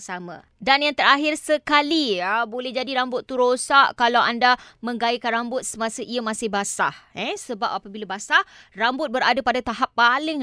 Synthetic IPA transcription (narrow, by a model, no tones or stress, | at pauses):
samã̰ | danjaŋt̪əɾaɦɪrsəkaliəbolɛɦd͡ʒadiɾambʊt̪ːuɾosaʔkalawʔandaməŋɡaikanrambʊt̪̚səmãsəʔiəmãsɪhbasa̰hɛsəbap̚apəbilabasa | rambʊt̪̚bəɾadapadat̪aɦapːalɪŋ